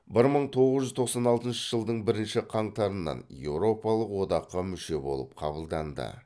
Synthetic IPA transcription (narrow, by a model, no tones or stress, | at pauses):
bɪɾməɴt̪ʰo̞ʁəzʒʏzt̪ʰo̞qsɑnɑlˠt̪ənʃə̥ʒəlˠd̪əɴbɪɾɪnʃɪqʰɑɴt̪ɑɾənːɑ̰nje̞wɾo̞pɑlˠəqwo̞d̪ɑqːɑmʏʃe̞bo̞̰lˠəp̚qʰɑbəlˠd̪ɑnd̪ə̰